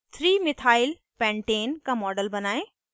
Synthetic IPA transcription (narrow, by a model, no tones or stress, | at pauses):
t̪ʰɾiːmɪt̪ʰaːɪl | pɛ̃ːɳʈeːnkãmɔːɖəlbɐnaːẽ